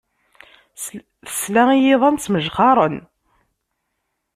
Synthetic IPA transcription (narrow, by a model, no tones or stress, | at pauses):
θə̥slæijɪðˤɑnt͡sːməʒχɑɾˤən